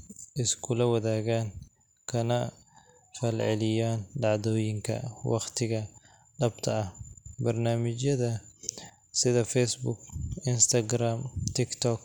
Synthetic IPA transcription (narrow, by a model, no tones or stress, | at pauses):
ɪskʰʊlɐwɐðaːɣaːŋ | kʰɐnɐ | fɐlʕɪlɪjaːnɖɑʕðɔːjɪŋkʰɐ̰wɑ̰qt̪ʰɪɣɐ | ɖɐbt̪ʰɐɐhbɐrnaːmɪt͡ʃɐðɐ | sɪðɐfɛsbʊkɪnst̪ʰɐɡɾaːmt̪ʰɪkt̪ʰɔk̚